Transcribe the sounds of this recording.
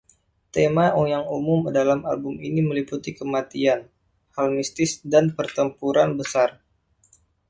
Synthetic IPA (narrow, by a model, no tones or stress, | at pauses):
t̪emaujaŋumʊmdalama̰lbʊminiməliput̪ikəmat̪ian | halmist̪ɪsdanpərt̪əmpuɾanbəsar